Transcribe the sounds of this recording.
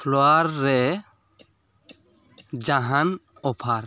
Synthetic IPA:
pʰloaɾːɛ | d͡ʒaɦan | ɔpʰaɾ

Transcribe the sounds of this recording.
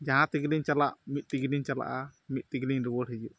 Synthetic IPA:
d͡ʒaɦãt̪iɡliɲt͡ʃalaʔmit̪̚ˀt̪iɡliɲt͡ʃala̰ʔamit̪̚t̪iɡliŋɾibɔɽɦɛd͡ʒuʔ

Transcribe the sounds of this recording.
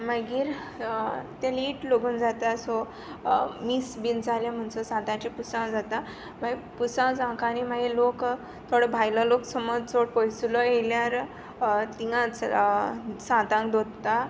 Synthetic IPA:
məɡiːɾ | t̪aliʈloɡuːnd͡zat̪asɔ | misbind͡zaljãm̤əɳt͡səsãt̪ãt͡ɕipusãwd͡zat̪a | maɡepusãwd͡zãkaːnimaɡelok | t̪ʰoɽəbʱajlaloksəmɔd͡zt͡soɽpəjsulɔeljaɾ | t̪iŋãt͡s | sãt̪ãŋkd̪od̪t̪a

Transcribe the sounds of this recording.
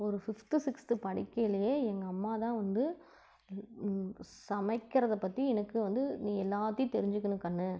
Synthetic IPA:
ɔɾɯfɪft̪isɪkst̪ɯpɐɽɪkːɐjlɐjeːɛŋɡɐɐmːaːt̪ãːʋɐnd̪ɯ | sɐmɐɪkːɪɾɐðɐpːɐt̪ːiɛnɐkːɯʋɐnd̪ɯnĩːɛlːaːt̪ːij̃t̪ɛɾɪɲd͡ʒɯkːɐnɯkɐnːɯ

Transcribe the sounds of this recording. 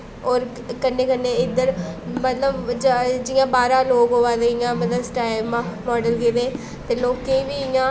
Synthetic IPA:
ɔːɾ | kənːẽːkənːẽːɪd̪əɾmət̪ləbd͡ʒd͡ʒɪjãːbaːɾãːloːkɦoːʋaːd̪eːɪjãːmət̪ləsʈaːɪmmɔːɖəlɡeɾeː | t̪eːloːkẽĩːbiːɪjãː

